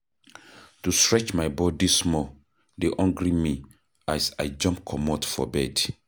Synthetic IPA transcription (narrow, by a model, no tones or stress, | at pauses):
tustɹɛt͡ʃmajbɔdismɔ | deʔɔ̃ŋɡɾimi | asajd͡ʒɔ̃mpkʰɔmɔtfɔ̰bɛd̥